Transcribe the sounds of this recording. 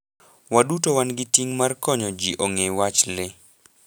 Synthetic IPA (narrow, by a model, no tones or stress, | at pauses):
wadutowanɡɪtiŋmarkɔɲɔd͡ʒiʔoŋewat͡ʃlɪ